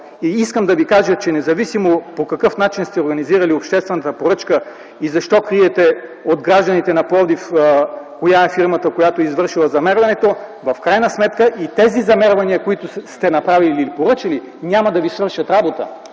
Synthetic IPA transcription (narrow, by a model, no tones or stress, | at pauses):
iiskəmd̪ɐvikaʒət͡ʃɛnɛzɐvisimopokɐkɤfnat͡ʃinst̪ɛoɾɡɐniziɾɐliopʃt̪ɛst̪vɛnət̪əpoɾɤt͡ʃkə | izɐʃt̪ɔkɾiɛt̪ɛod̪ɡɾaʒd̪ɐnit̪ɛnɐpɔd̪ifkojaɛfiɾmət̪əkojat̪oizvɤɾʃilˠɐzɐmɛɾvɐnɛt̪ovɐfkɾajnɐsmɛt̪kəʔit̪ɛzizɐmɛɾvɐniəkoit̪ʊst̪ɛnɐpɾaviliipoɾɤt͡ʃɐli | nʲamɐd̪ɐvisvɤɾʃɐt̪ɾabot̪ə̰